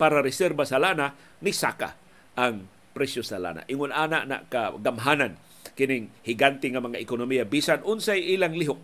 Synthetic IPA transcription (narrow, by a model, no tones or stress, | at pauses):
paːɾaɾɪsɛɾbasalana | nɪsa̰ka̰ | ʔaŋ | pɾɛsjosala̰ːna̰ʔɪŋʊnaːna̰ʔna̰ʔkaɡamɦanan | kɪnɪŋhɪɡant̪ɪŋamaŋaʔɪkʊnʊmijabisanʊnsajʔiːlaŋlɪɦʊk̚